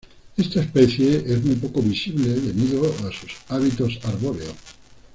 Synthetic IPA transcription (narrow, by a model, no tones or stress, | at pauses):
est̪aespeθjeezmujpokoβisiβleðeβiðoasusaβit̪osaɾβoɾeo̰